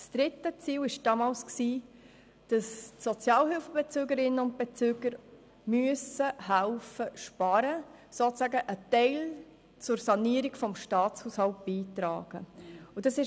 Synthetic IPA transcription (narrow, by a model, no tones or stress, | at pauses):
sd̥ɾɪtːət͡siːwɪʃd̥ɑːmɑːlsksiː | d̥ɑstsɔt͡sjɑːlɦɪlfəbet͡søːɡəɾɪnːənʊnt̚b̥et͡søːɡ̥əɾ | myəsəhælfəʃpɑɾə | soːt͡sæɡəʔətɛɪl | t͡sʊrsɑniəɾɪkfɔmʃtɑːt͡shuːshɑlt̚b̥iːtɾɑ̰ːɡ̥ə̰ʊd̥ɑsɪʃ